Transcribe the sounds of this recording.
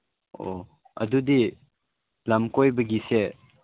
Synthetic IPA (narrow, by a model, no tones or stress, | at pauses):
o | ɐ̰dudi | lamkojbɐɡise